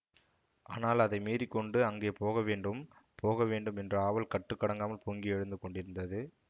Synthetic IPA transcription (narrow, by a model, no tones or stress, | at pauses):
ʔa̰ːnaːlɐðɐɪmiːɾikːɔɳɖɯɐŋɡeːpoːɣɐʋeːɳɖɯmpʰoːɣɐʋeːɳɖɯmɛndrɐaːʋɐlkɐʈːɯkːɐɽɐŋɡaːmɐlpuŋɡiɛɻɯnd̪ɯkːɔɳɖɪɾɯnd̪ɐðɯ